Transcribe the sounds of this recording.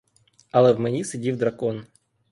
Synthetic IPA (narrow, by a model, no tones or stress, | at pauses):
ɐlˠɛvmɛnʲisɨdʲivd̪ɾɐkɔn